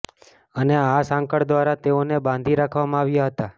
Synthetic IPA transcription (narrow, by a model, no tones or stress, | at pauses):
əneasãŋkəɽd̪ʋaɾat̪eonebãnd̪ʱiɾakʰʋamãaʋjaɦət̪a